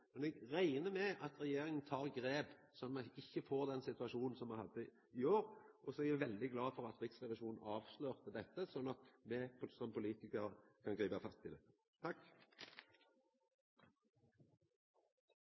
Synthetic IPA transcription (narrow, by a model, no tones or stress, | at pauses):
mɛnɛɡɾæɪnəmɛɑt̪ɾɛjeːɾɪŋənt̪ʰɑːʁɡɾeːb | sɔnmɛɪçːəfoːɾd̪ɛnsɪt̪ʉɑʃuːnn̩sɔmːɑhɑd̪ːə | ɪoːɾʔɔsɔɛɾæʋɛld̪ɪɡlɑːfɔɾɑt̪ɾɪksʁɛʋɪʃuːnn̩ɑːʋʃløːʁt̪əd̪ɛt̪ːəsɔnːɑt̪mɛpsɔmpʰʊliːt̪ɪkəɾəkʰɑnɡɾiːbɑfɑst̪ʰːɪlɛ | t̪ʰɑkː